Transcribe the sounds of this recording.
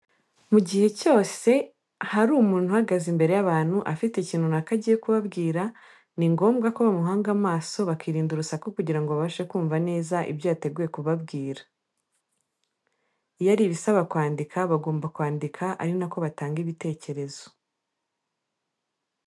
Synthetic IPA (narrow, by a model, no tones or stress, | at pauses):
muɟihe̞co̞ːse̞ | haɾuːmuːn̥huhaɡazimbe̞ɾe̞jaβaːn̥huʔafiteciːnhunakaɟijekuβaβɡiːɾa | niŋɡo̞ːmbɡakoβamuɦaːŋɡamaːso̞βakiɾiːnduɾusakokuɟiɾaŋɡoβaβaʃekuːɱvane̞ːzaʔḭbjojate̞ɡuje̞kuβabɡiːɾḁ | ijaɾiβisaβakwaːndikʰaβaɡo̞ːmbakwaːndikʰaʔa̰ɾinako̞βataːŋɡiβite̞ːce̞ɾe̞zo̞